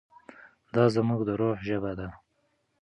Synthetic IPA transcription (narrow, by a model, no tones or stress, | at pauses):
d̪ɑzəmuɡd̪əɾoħʒəbad̪a